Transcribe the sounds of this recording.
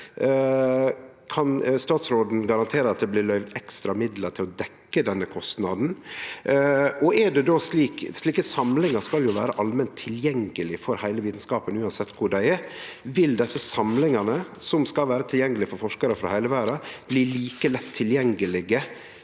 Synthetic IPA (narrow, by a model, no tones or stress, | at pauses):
kʰɑnst̪ɑːt̪sɾoːd̪n̩ɡɑɾɑnt̪ʰeːɾəɑt̪̚d̪ɛblɪlœʏʋd̪ɛkst̪ɾɑmɪd̪ləɾt̪ʰɪlɔd̪ɛkːəd̪ɛnːəkʰɔst̪nɑd̪n̩ | ʔɔɛɖɛd̪oːsliːksliːkəsɑmlɪŋɑskɑljʊʋæːɾəʔɑlmɛnt̪ʰːɪljɛŋəlɪfɔɾhæɪləʋiːt̪n̩skɑːpənʉːɑnsɛt̪ːkʰʊɖæɪɛɾ | ʋɪld̪ɛsːəsɑmlɪŋɑnəsɔmskɑlʋæːɾət̪ʰɪljɛŋːəlɪfɔɾfɔʂkɑɾəfɾɑ̰hæɪləʋæːɾɑb̥liːliːkəlɛt̪ʰːɪljɛŋːəlɪɡə